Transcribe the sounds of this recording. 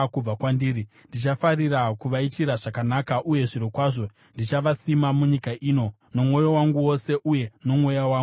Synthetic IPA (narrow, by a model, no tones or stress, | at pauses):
kub͡vakwandiːɾi | ndit͡ʃafarirakuʋaitiɾaʐakanakaʔuje̞ʐiɾokwaʐo̞ | ndit͡ʃaʋasimamuɲikaʔiːno̞ | no̞mwo̞jo̞waŋɡuwo̞se̞ʔuje̞no̞mwo̞jawaː